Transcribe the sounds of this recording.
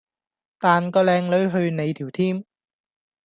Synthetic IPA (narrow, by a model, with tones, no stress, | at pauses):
t̪aː˨nkɔː˧lɛː˧ŋlɵ˨˧ɥɦɵ˧ɥne˨˧jt̪ʰiː˨˩wt̪ʰiː˥m